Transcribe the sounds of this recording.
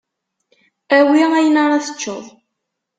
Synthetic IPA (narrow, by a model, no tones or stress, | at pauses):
æwiæjənɑɾˤɑθə̥t͡ʃːoðˤ